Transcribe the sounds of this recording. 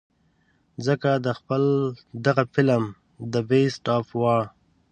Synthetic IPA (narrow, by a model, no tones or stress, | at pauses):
zəkad̪əxpəld̪aɣafɪləm | d̪əbesʈɑfwɑɽ